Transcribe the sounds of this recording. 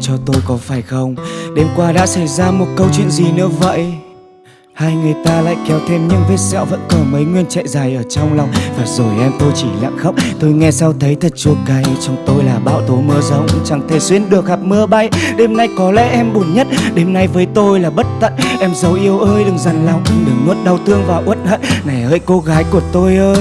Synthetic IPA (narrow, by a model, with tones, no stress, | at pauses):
t͡ɕɔ˧t̪o˧jkɔ˨˦faː˧˩jxə˧wŋ͡mɗe˧mkwaː˧ɗa̰ː˧˥sa˧˩jzaː˧mo˨˩t̚kə˧wt͡ɕwḭ˧˨ənzi˨˩nɨ̰˧˥əvə̰˧˨j | haː˧jŋɨ˨˩əjt̪aː˧la̰ː˧˨jkɛ˨˦wt̪ʰe˧mɲɨ˧ŋve˦˥t̚sɛ̰ː˧˨wvə̰˧˥nkɔ˨˩mə˨˦jŋwi˧ənt͡ɕa̰˧˨jzaː˨˩jʔəː˧˩t͡ɕɔ˧wŋ͡mla˨˧wŋ͡mvaː˨˩zo˨˩jʔɛ˧mt̪o˧jt͡ɕi˧˩la̰˧˨ŋxə˦˥wk͡p̚t̪o˧jŋɛ˧sa˧wt̪ʰə˨˦jt̪ʰə˨˩t̚t͡ɕu˧˩əka˨˦jt͡ɕɔ˧wŋ͡mt̪o˧jlaː˨˩ɓa̰ː˧˨wt̪o˨˦mɨ˧əzə˨˦wŋ͡mt͡ɕa˨˩ŋt̪ʰe˧˩swi˧ənɗɨ˨˩ək̚ha˨˩p̚mɨ˧əɓa˧jɗe˨˧˦mna˧jkɔ˨˦lɛ̰˧˥ʔɛ˧mɓu˧˩ənɲə˦˥t̚ɗe˨˧mna˧jvəː˨˦jt̪o˧jlaː˨˩ɓə˦˥t̚t̪ə̰˧˨nʔɛ˧mzə˨˦wʔi˧əwʔəː˧jɗɨ˨˩ŋza˨˩jŋlɔ˨˩wŋ͡mɗɨ˨˩ŋːu˦˥t̚ɗa˧wt̪ɨ˧əŋvaː˨˩ʔt̚hə̰˧˨nna˨˩jhəː˧˨jko˨˦ɣaː˨˦jku˧˩ət̪o˧jʔəː˧j